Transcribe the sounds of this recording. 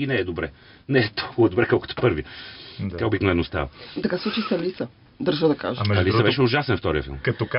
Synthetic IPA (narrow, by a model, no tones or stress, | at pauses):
inɐ̃ɛd̪ubɾɛ̰ | nɐ̃ɛt̪oɐd̪ubɾɛkakɨ̥t̪u̥pɐɾvit̪ɛwbiknɐ̃ɛnust̪a̰vd̪ɐkaslˠut͡ʃisɐlisɐ | d̪ɐɾʒɐd̪ɐka̰ʒɐliɐvɛʃuʒasẽfi̥t̪ɔɾiɐ̰fḭlˠmkɐt̪uka